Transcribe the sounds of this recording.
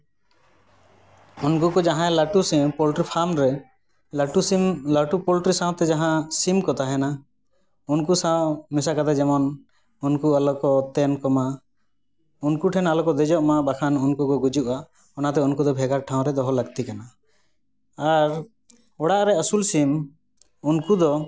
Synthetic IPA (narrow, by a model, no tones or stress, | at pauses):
unkukɔd͡ʒaɦãɛlaʈusimpɔlʈɾipʰamɾɛ | laʈusimlaʈupɔlʈɾisãw̃t̪ɛd͡ʒaɦãsimkɔt̪aɦɛna | unkusaw̃mɛsakad̪ad͡ʒɛmɔn | unkualɔkɔt̪ɛnkɔma | unkuʈʰɛnalɔkɔd̪ɛd͡ʒɔʔmabakʰanunkukɔɡud͡ʒuʔa | ɔnat̪ɛunkud̪ɔbʱɛɡaɾʈʰãw̃ɾɛd̪ɔɦɔləɡt̪ikana | aɾ | ɔɽaʔɾɛəsulsim | unkud̪ɔ